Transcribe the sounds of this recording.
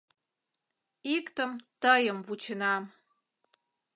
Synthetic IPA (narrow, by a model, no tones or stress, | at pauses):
ikt̪əmt̪əjəmvut͡ɕənɑm